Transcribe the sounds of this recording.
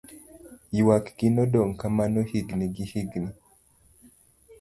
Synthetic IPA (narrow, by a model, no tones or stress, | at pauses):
iwakɡ̥inɔdɔŋkamanɔhiɡniɡihiɡni